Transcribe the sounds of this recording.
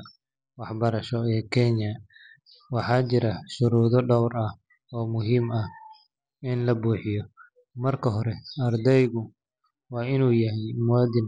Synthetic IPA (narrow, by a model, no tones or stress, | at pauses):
wɑħbɐɾɐʃɔɛːkʰɛɲɐ | wɑħɑːt͡ʃɪɾɐʃʊɾuːðɔɖɔwrɐh | ɔːmʊɦiːmɐh | ɪnlɐbuːħɪjɔ | mɐrkʰɐɦɔɾɛɐrd̪ɛjɣʊ | wɑːɪnuːjɐɦɛjmɔːd̪ɪn